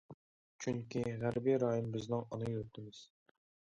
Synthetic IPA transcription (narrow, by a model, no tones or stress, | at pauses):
t͡ʃʰyŋkʲiʁæɾbiɾɑːjimbɪznɪŋɔnɨjyɾt̪ʰɪmɪz̥